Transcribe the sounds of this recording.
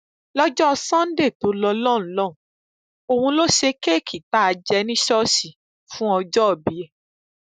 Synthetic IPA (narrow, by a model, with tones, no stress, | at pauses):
lɔ˦d͡ʒɔ˦ɔ˧sã˦n̩˦de˦˨to˨˦lɔ˧lɔ̃˦˨˦lɔ˦˨ũ˨ | o˧hũ˧lo˦ʃe˧ke˦˨kʰi˨ta˦a˧d͡ʒɛ˧nĩ˦ʃɔ˦ʃi˨ | fũ˦ɔ˧d͡ʒɔ˦ɔ˨bi˨˦ɛ˨